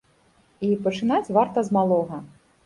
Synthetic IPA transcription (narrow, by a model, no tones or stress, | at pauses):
ipɐt͡ʂɨnat͡sʲvart̪ɐzmalˠɔɣɐ